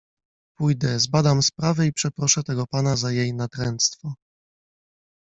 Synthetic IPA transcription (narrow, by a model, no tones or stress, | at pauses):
pujd̪ɛzbad̪amspɾavɛipʂɛpɾɔʂɛt̪ɛɡɔpanazajejnat̪ɾɛnt̪st̪fɔ